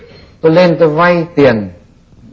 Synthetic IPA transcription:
t̪o˧jle˧nt̪ə˧va˧jt̪i˨˩ən

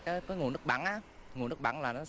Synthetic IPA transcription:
kaː˨˦jŋu˨˩ənɨ˦˥k̚ɓa̰˧˩nʔaː˨˦ŋ˨˩nɨ˦˥k̚ɓa̰˧˩nlaː˨˩nɔ˨˦

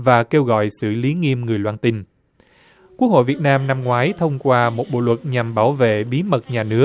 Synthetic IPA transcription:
vaː˨˩ke˧wɣɔ̰˧˨jsɨ̰˧˩li˨˦ŋi˧əmŋɨ˨˩əjlwaː˧nt̪i˧n | kwu˦˥ək̚ho̰˧˨jvi˨˩ət̚naː˧mna˧mŋwaː˨˦jt̪ʰə˧wŋ͡mkwaː˧mo˨˩t̚ɓo̰˧˨lwə˨˩t̚ɲa˨˩mɓaː˧˩wvḛ˧˨ɓi˨˦mə˨˩t̚ɲaː˨˩nɨ˦˥ək̚

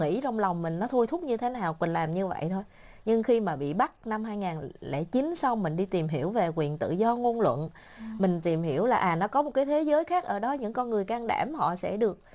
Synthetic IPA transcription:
ŋḭ˧˥t͡ɕɔ˧wŋ͡mla˨˩wŋ͡mmï˨˩ŋ̟nɔ˨˦t̪ʰu˧jt̪ʰʊ˦˥k͡p̚ɲɨ˧t̪ʰe˨˦naː˨˩wkwi˨˩nlaː˨˩mɲɨ˧və̰˧˨jt̪ʰo˧j | ɲɨ˧ŋxi˧maː˨˩ɓḭ˧˨ɓa˦˥k̚na˧mɦaː˧jŋaː˨˩nlḛ˧˩t͡ɕi˨˦n̟sa˧wŋ͡mmï˨˩ŋ̟ɗi˧t̪i˨˩mɦi˧˩əwve˨˩kwi˨˩ənt̪ɨ̰˧˨zɔ˧ŋo˧nlwə̰˧˨n | mï˨˩ŋ̟t̪i˨˩mhi˧˩əwlaː˨˩ʔaː˨˩nɔ˨˦kɔ˨˦mo˨˩t̚kaː˨˦jt̪ʰe˨˦zəː˨˦jxaː˦˥k̚ʔəː˧˩ɗɔ˨˦ɲɨ̰˧˥ŋkɔ˧nŋɨ˨˩əjkaː˧ŋɗa̰ː˧˩mhɔ̰˧˨sɛ̰˧˥ɗɨ˨˩ək̚

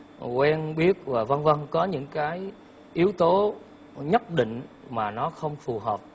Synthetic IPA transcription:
kwɛ˧nɓi˦˥ət̚vaː˨˩və˧nvə˧nkɔ˨˦ɲɨ̰˧˥ŋkaː˨˦j | ʔi˨˦əwt̪o˨˦ | ɲə˦˥t̚ɗḭ˧˨ŋ̟ | maː˨˩nɔ˨˦xə˧wŋ͡mfu˨˩ɦəː˨˩p̚

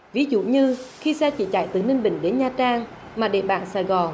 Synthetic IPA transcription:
vi˨˦zṵ˧˨ɲɨ˧xi˧sɛ˧t͡ɕḭ˧˩t͡ɕa̰˧˨jt̪ɨ˨˩ne˧nɓḭ̈˧˨ŋ̟ɗe˨˦nɲaː˧t͡ɕaː˧ŋ | maː˨˩ɗḛ˧˨ɓaː˧˨nsaː˧˩jɣɔ˨˩n

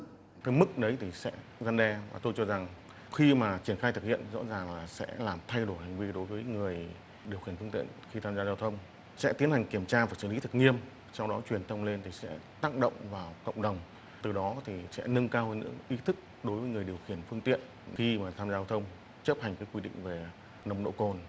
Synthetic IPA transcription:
t̪əː˨˦jmɨ˦˥k̚ɗə˨˦jt̪ʰi˨˩sɛ̰˧˥ | za˧nɗɛ˧vaː˨˩t̪o˧jt͡ɕɔ˧za˨˩ŋ | xi˧maː˨˩t͡ɕi˧˩ənxaː˧jt̪ʰɨ˨˩k̚hḭ˧˨ənzɔ̰˧˥zaː˨˩ŋlaː˨˩sɛ̰˧˥laː˨˩mt̪ʰa˧jɗo˧˩jha˨˩ŋ̟vi˧ɗo˨˦jvəː˨˦jŋɨ˨˩əj | ɗi˨˩əwxi˧˩ənfɨ˧ŋt̪ḭ˧˨ənxi˧t̪ʰaː˧mzaː˧zaː˧wt̪ʰə˧wŋ͡m | sɛ̰˧˥t̪i˨˦ənha˨˩jŋ̟ki˧˩əmt͡ɕaː˧vaː˨˩jsɨ̰ː˧˩li˨˦t̪ʰɨ˨˩k̚ŋi˧əm | sɔ˧wŋ͡mɗɔ˨˦t͡ɕwi˨˩ənt̪ʰə˧wŋ͡mle˧nt̪ʰi˨˩sɛ̰˧˥t̪aː˧˥k̚ɗə̰˧˨wŋ͡mvaː˨˩wkə̰˧˨wŋ͡mɗə˨˩wŋ͡m | t̪ɨ˨˩ɗɔ˨˦t̪ʰi˨˩sɛ̰˧˥nɨ˧ŋkaː˧whə˧nɨ̰˧˥ŋʔi˨˦t̪ʰɨ˦˥k̚ | ɗo˨˦jvəː˨˦jŋɨ˨˩əjɗi˨˩əwxi˧˩ənfɨ˧əŋt̪ḭ˧˨ən | xi˧maː˨˩t̪ʰaː˧mzaː˧aː˧wt̪ʰə˧wŋ͡m | t͡ɕə˦˥p̚ha˨˩jŋ̟kaː˨˦jkwi˧ɗḭ˧˨ŋ̟ve˨˩ | nə˧wŋ͡mɗo̰˧˨ko˧˩n

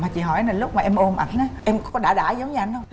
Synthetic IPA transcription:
maː˨˩t͡ɕḭ˨˦ɦɔ˧˩˦jna˨˩lʊ˦˥k͡p̚maː˨˩ʔɛ˧mʔo˧mʔa̰˨˩ŋ̚nə˨˦jʔɛ˧mkɔ˨˦ɗaː˧˩ɗaː˧˩˦zə˨˦wŋ͡mɲ˧a˧˩nɗə˧w

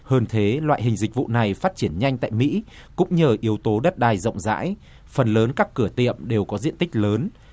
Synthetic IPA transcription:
həː˧nt̪ʰe˨˦lwa̰ː˧˨jɦï˨˩ŋ̟zï˨˩k̟̚vṵ˧˨na˨˩jfaː˦˥t̚t͡ɕi˧˩ənɲa˧jŋ̟t̪a̰ː˧˨jmḭ˧˥ | kʊ̰˧˥ŋ͡mɲəː˨˩ʔi˨˦əwt̪o˨˦ɗə˦˥t̚ɗaː˨˩jzə̰˧˨wŋ͡mza̰ː˧˥j | fə˨˩nləː˨˦nkaː˦˥kːɨ˧˩ət̪ḭ˧˨əmɗe˨˩wkɔ˨˦zḭ˧˨ənt̪i˦˥k̟̚ləː˨˦n

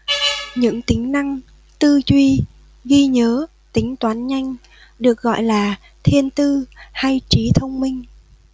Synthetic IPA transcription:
ɲɨ̰˧˥ŋt̪ï˨˦ŋ̟na˧ŋ | t̪ɨ˧zwi˧ | ɣi˧ɲəː˨˦ | t̪ï˨˦ŋ̟t̪waː˨˦nɲa˧jŋ̟ | ɗɨ˨˩ək̚ɣɔ̰˧˨jlaː˨˩ | t̪ʰi˧ənt̪ɨ˧ha˧jt͡ɕi˨˦t̪ʰə˧wŋ͡mmï˧ŋ̟

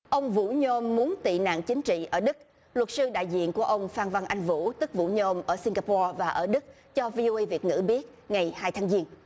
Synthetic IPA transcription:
ʔə˧wŋ͡mvṵ˧˥ɲo˧mːu˨˦ənt̪ḭ˧˨na̰ː˧˨ŋt͡ɕï˨˦ŋ̟t͡ɕḭ˧˨ʔəː˧˩ɗɨ˦˥k̚ | lwə˨˩t̚sɨ˧ɗa̰ː˧˨jzḭ˧˨ənku˧˩əʔə˧wŋ͡mfaː˧nva˧nʔa˧jŋ̟vṵ˧˥t̪ɨ˦˥k̚vṵ˧˥ɲo˧mʔəː˧˩si˧ŋɡaː˧pɔː˧vaː˨˩ʔəː˧˩ɗɨ˦˥k̚ | t͡ɕɔ˧vi˧ʔo˧ʔə˧jvi˨˩ət̚ŋɨ̰˧˥ɓi˦˥ət̚ŋa˨˩jhaː˧jt̪ʰaː˨˦ŋzi˧ən

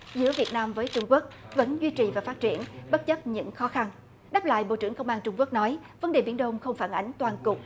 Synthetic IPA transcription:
zɨ̰˧˥əvi˨˩ət̚naː˧mvəː˨˦jt͡ɕʊ˧ŋ͡mku˦˥ək̚və̰˧˥nzwi˧t͡ɕi˨˩vaː˨˩faː˦˥t̚t͡ɕḭ˧˩ənɓə˦˥t̚t͡ɕə˦˥p̚ɲɨ̰˧˥ŋxɔ˨˦xa˧n | ɗaː˦˥p̚la̰ː˧˨jɓo̰˧˨t͡ɕɨ˧˩əŋkə˧wŋ͡mʔaː˧nt͡ɕʊ˧ŋ͡mku˦˥ək̚nɔ˨˦j | və˨˦nɗe˨˩ɓi˨˦ənɗə˧wŋ͡mxə˧wŋ͡mfaː˧˩nʔa˨˦jŋ̟t̪waː˧˩nkʊ˨˩k͡p̚

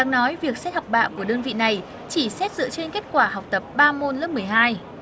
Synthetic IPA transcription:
ɗa̰˧˨ŋnɔ˨˦jvi˨˩ək̚sɛ˦˥t̚ha˨˩wk͡p̚ɓa̰ː˧˨wku˧˩əɗəː˧nvḭ˧˨na˨˩j | t͡ɕi˧˩sɛ˦˥t̚zɨ̰˧˥ət͡ɕe˧nke˦˥t̚kwaː˧˩ha˨˩wk͡p̚t̪ə˨˩p̚ɓaː˧mo˧nlə˦˥mɨ˨˩əjɦaː˧j

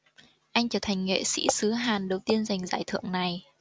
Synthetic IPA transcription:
ʔa˧jŋ̟t͡ɕəː˧˩t̪ʰa˨˩ŋ̟ŋḛ˧˨sḭ˧˥sɨ˨˦ɦaː˨˩nɗə˨˩wt̪i˧ənza˨˩jŋ̟zaː˧˩jt̪ʰɨ̰˧˨əŋna˨˩j

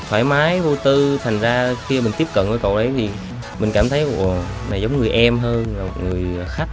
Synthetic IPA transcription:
t̪ʰwaː˧˩jmaː˨˦jvo˧t̪ɨ˧t̪ʰa˨˩jŋ̟zaː˧xi˧əmi˨˩ŋ̟t̪i˦˥əp̚kə̰˧˨nvəː˨˦kə̰˧˨wʔə˨˦jt̪ʰi˨˩ | mï˨˩ŋ̟kaː˧˩mt̪ʰə˨˦jʔ | na˨˩zə˨˦ŋ͡mŋɨ˨˩əjʔɛ˧mɦəː˧nː˨˩o˨˩ŋɨ˨˩əjxa˦˥k̚

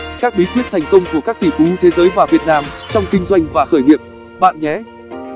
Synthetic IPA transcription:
kaː˦˥k̚ɓi˨˦kwi˦˥ət̪̚ʰjŋ̟kə˧wŋ͡mku˧˩əkaː˦˥k̚t̪ʰi˧˩t̪u˨˦ɲɨ˧t̪ʰe˨˦zəː˨˦jvaː˨˩vi˨˩ət̚naː˧mt͡ɕɔ˧wŋ͡mkï˧ŋ̟zwa˧jŋ̟vaː˨˩xəː˧˩jnḭ˨˧˨əp̚ | ɓa̰ː˧˨nɲɛ˨˦

